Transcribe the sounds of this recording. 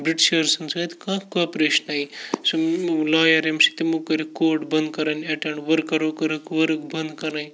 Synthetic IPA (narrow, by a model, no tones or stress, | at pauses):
bɾiʈiɕɐɾsɐnsat̪kãkɐpɾeʃənaislaːjɐɾemsi̥t̪imukɐɾikoːɾʈbɐnd̪̚kɐɾanɐʈɐ̃ɳʋɐɾkɐɾokɐɾəkʋəɾkbɐnd̪kɐɾnaːj